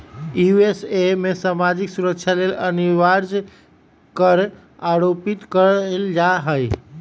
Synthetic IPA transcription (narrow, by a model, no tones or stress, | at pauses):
juesemesamad͡ʒiksuɾəkt͡ʃʰaleləniʋaɾd͡ʒ | kəɾ | aɾopit̪kəɾld͡ʒaɦəj